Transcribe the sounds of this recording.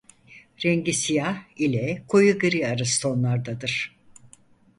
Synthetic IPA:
ɾɛɲɟisijahilʲɛkʰojuɡɯɾiaɾɯst̪ʰo̞nlˠaɾd̪ad̪ɯɾ̥

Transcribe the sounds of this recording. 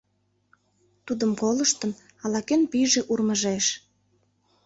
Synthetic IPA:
t̪ud̪əmkoləʃt̪ən | ɑlɑkenpiʒeʔurməʒeʃ

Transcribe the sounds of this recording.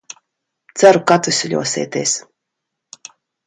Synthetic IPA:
t̪sæɾukat̪usʲilʲṵɔsʲḛːt̪ʲḛːs

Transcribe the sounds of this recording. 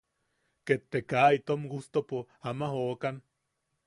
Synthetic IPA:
ket̪ːekait̪omɡust̪opo | amaɦoːkan

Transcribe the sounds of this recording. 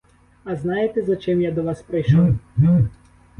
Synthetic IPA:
ɐznɑjet̪ezɐt͡ʃɪmjad̪ɔʋɑspɾɐjʃlɔ

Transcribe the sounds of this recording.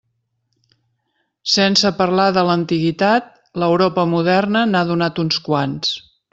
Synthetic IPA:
sɛnsəpərlaðələnt̪iɣit̪at̪̚ | ləwɾɔpəmuðɛrnənaðunat̪unskwans

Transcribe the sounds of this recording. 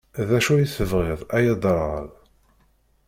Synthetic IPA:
ðæʃujisəvʁɪðˤæjɑd̪ˤəɾˤʁə̰l

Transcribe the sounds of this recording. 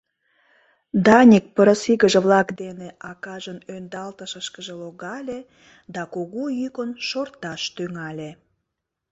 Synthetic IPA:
d̪ɑnʲik̚pəɾəsiɣəʒĕβlɑkd̪eneʔɑkɑʒənønd̪ɑlt̪əʃəʃkəʒeloɣɑlʲe | d̪ɑkoɣojykənʃort̪ɑʃt̪yŋɑlʲe

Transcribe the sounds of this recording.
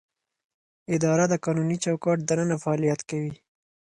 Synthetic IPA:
ɪd̪ɑɾad̪əkɑnunit͡ʃawkɑʈ̚d̪anənafaɑlijat̪kawi

